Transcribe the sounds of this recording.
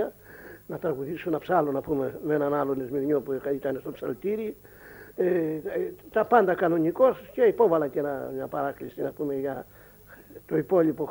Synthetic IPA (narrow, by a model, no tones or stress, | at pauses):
a | nat̪ɾaɣuðisunapsalonapumemenanalonezmiɾɲopukait̪anesopsalt̪iɾi | e | t̪apand̪akanoɲikoskeipoβalakenaɲapaɾaklisinapumeja | t̪oipoʎipo